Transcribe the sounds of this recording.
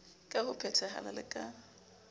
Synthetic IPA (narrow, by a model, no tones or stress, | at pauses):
kʼahʊpʰɛtʰɛɦa̰lalɪ̰kʼa